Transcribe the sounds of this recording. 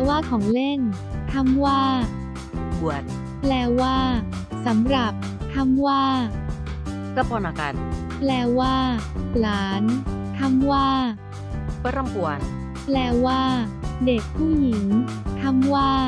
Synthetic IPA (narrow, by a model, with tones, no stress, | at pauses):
waː˥˩kʰɔː˩˦ŋle˥˩n | t̪ʰa˧mwaː˥˩ | bu˨˩ət̪̚ | plɛː˧waː˥˩ | sa˩˦mɾa˨˩p̚ | t̪ʰa˧˥mwaː˥˩ | ka˧˩pʰɔː˧nʔa˧ka̰˧n | plɛː˧waː˥˩laː˩˦nt̪ʰa˧˥mwaː˥˩ | pa˧˥˩ɾɔ˥˩ŋpu˨˩ən | plɛː˧waː˥˩ | de˨˩k̚pʰuː˥˩ji˨˩˦ŋ | t̪ʰa˧˥mwaː˥˩